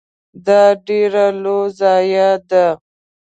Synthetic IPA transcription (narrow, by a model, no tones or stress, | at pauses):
d̪ɑɖeɾalozɑːjad̪a